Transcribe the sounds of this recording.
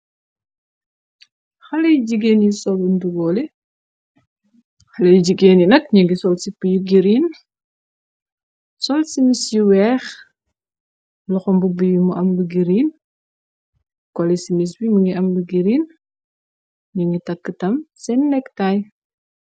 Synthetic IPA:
xɐlɐjd͡ʒiɡeːnjisɔlunduɡɔːlɛ | xɐlɐjɟiɡeːnjinɐkɲuŋɡisɔlsipəjuɡiɾin | sɔlsimisjiwɛːx | lɔxɔmbubijumuʔɐmluɡiɾiːn | kɔlɛsimis̬bimuŋɡiʔɐmluɡiɾiːn | ɲuŋɡitɐkːətɐmsɛnːɛktaj

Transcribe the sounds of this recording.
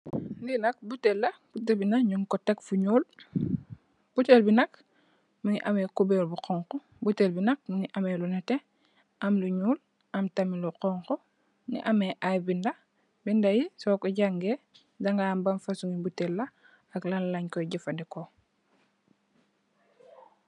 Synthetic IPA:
ndinɐk̚butelːab̥utebinaɲuŋkotekfuɲuːl | b̥utelbinak | muŋiʔamekubelbuqoŋkɔ | butelbinɐk̚muŋiʔamelunate | amluɲuːl | amtamiluqɔŋko | nḭʔameʔajbinda | bindajisokoɟaŋɡe | daŋɡaːmbanfasuŋibutelːa | aklanlaɲkoɟifandeko

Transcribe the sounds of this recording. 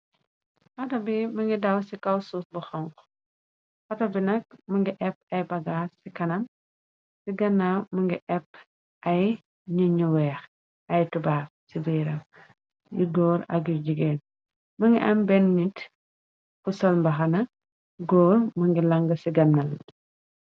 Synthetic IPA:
xɐtɐbimɐŋɡidɐwsikɐwsuːsbuxɔŋk | xɐtɐbinɐk̚mɐŋɡiʔɛp̚ɐjbɐɡaːsikɐnɐm | siɡɐnːamɐŋɡiʔɛp̚ | ʔɐj | ɲuɲuwɛːx | ɐjtubaːf̚sibiːɾɐm | juɡɔːɾɐ̰k̬jud͡ʒiɡeːn | mɐŋɡiʔɐmbɛnɲit | kusɐlmbɐxɐnɐ | ɡɔːɾmɐŋɡilɐŋɡɐsiɡɐnːal

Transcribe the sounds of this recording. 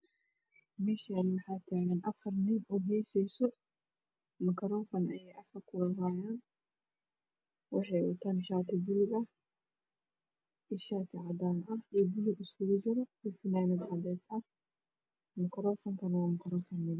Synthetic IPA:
mɛːʃanmɑħaːt̪ʰaːɣɐnʔɐfɐrnɪnuːɦɛːsɛjsɔ | mɐkʰɐɾɔːfɐnɐjɛjʔɐfɐrkʰʊwɐðɦaːjaːn | wɑħɑjwʊ̰t̪ʰaːnʃaːt̪ʰɪbʊlɪɡɐh | ɪʃaːt̪ʰɪʕɑd̪aːnʔɐhijbʊlɪɡɪskʊɡʊd͡ʒɪɾɔɛːfɪnaːnɛd̪ʕɑd̪ɛːsɐ | mɐkʰɐɾɔːfɐŋkʰɐnɐwaːmɐkʰɐɾɔːfɐnːɪð

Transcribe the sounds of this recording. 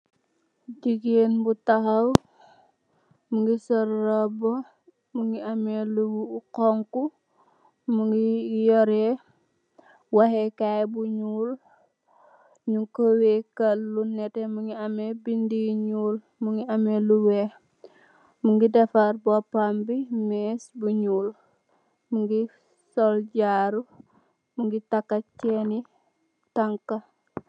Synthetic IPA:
d͡ʒiɡenbutaɦaw | muŋɡisɐɾːabɔ | muŋɡiamelukɔŋku | muŋɡijɔɾɛ | waɦɛkajbuɲuːl | ɲuŋkowekalːunɛtemuŋɡiamebindiɲuːl | muŋɡiameluwe | muŋɡidafaɾbopambimesbuɲuːl | muŋɡi | solɟaːɾu | muŋɡitakːat͡ʃeni | taŋka

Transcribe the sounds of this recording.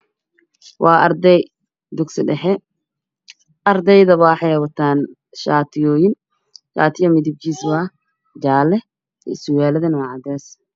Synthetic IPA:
wɑːʔɐrd̪ɛj | d̪ʊksɪɖɛħɛ | ʔɐrd̪ɛjðɐβaħɛjwɐt̪ʰaːn | ʃaːt̪ʰɪjɔːjɪn | kʰa̰ːt̪ʰɪjɐmɪdɪb̚t͡ʃiːsβa | d͡ʒaːlɛ | ɛ̰sʊwaːlɐðɐnwɑʕɑd̪ɛːs

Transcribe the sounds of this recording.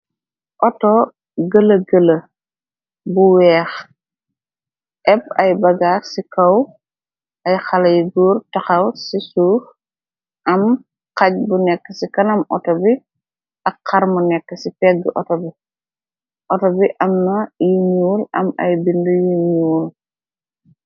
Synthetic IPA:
ʔɔtɔ | ɡəlɐɡəlɐ | buwɛːx | ʔɛp̚ɐjbɐɡaːsikɐw | ʔɐjxɐlɐjɡuːrtɐxɐwsisuːf | ʔɐm | qɐc̚bunɛkːəsikɐnɐmɔ̰tɔbi | ʔɐkːɐɾmunɛkːəsipɛɡːəʔɔtɔbi | ʔɔtɔbiʔɐmnɐjiɲɲuːlɐ̰mɐ̰jbindujiɲuːl

